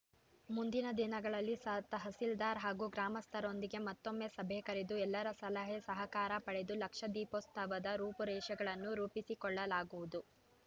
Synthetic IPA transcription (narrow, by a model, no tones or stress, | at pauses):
mund̪inɐd̪inɐɡɐɭɐlːisɐt̪ɐɦɐsild̪aːɾɦaːɡuɡɾaːmɐst̪ʰɐɾo̞nd̪iɡe̞mɐt̪ːo̞mːe̞sɐbʱekɐɾed̪uɛlːɐɾɐsɐlɐɦesɐɦɐkaːɾɐpɐɽe̞d̪ulɐkʂɐd̪iːpost̪ʰɐʋɐd̪ɐɾuːpɐɾɛːʃɐɡɐɭɐnːuɾuːpisikɔɭːɐlaːɡuʋud̪u